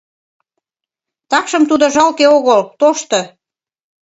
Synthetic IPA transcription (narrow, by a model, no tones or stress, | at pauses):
t̪ɑkʃəmt̪ud̪ŏʒɑlkeoɣəlt̪oʃt̪ɤ̆